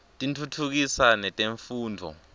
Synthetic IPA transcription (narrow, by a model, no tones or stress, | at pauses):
tʼintʰutʰuk̬isanɛtʼeɱfuːndʱɔ̰